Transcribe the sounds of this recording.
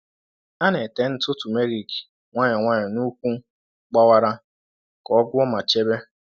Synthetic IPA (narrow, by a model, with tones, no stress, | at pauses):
a˦ne˨te˨˦n̩˦tʊ˦tu˨me˦ɾi˨ki̥˨ | ŋʷa˦ɲe˨ŋʷa˦ɲe˨nu˦kʷu˦ | k͡pa˦wa˦ɾa˦ | kɔ˨˦ɡʷʊ˦ɔ˦ma˨t͡ʃe˦be˦